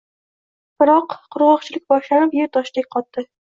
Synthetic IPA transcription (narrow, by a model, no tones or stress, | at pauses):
b̥ɪɾɒqʰːʊɾʁɒqt͡ʃʰɪlɪk̚ʲbɒʃlanɪpjeɾt̪ʰɒʃd̪ek̚ʲqʰɒt̪ːɪ